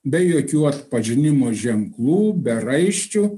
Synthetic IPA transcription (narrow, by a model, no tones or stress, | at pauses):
bʲɛjoːkʲuːɐt̪pɐʒʲɪnʲɪmoːʒʲɛŋklˠuːbʲɛɾɐɪʃʲt͡ʃʲu